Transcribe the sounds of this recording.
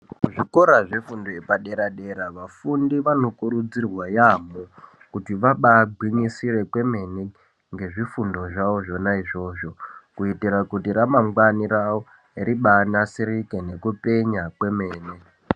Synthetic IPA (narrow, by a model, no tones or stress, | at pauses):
uʐiko̞ɾaʐefundoepaɗe̞ɾaɗe̞ɾaʋafundiʋano̞kuɾud͡zirwajamo | kutiʋaɓaɡʱwiɲisire̞kwe̞me̞ne | ŋɡe̞ʐifundo̞ʐaoʐo̞naiʐo̞ːʐo̞kuitiɾakutiɾamaŋɡwaniɾawo | iɾiɓanasiɾikene̞kupe̞ɲakwe̞me̞ːne